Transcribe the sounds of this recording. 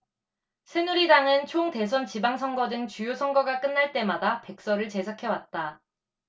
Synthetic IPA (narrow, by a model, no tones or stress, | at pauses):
sʰe̞nuɾidaŋɯnt͡ɕʰoŋte̞sʰʌnt͡ɕibaŋsʰʌŋɡʌdɯŋt͡ɕujosʰʌŋɡʌɡak͈ɯnːaɭt͈e̞madape̞k̚s͈ʌɾɯɭt͡ɕe̞s̬ʰakʰewat̚t͈a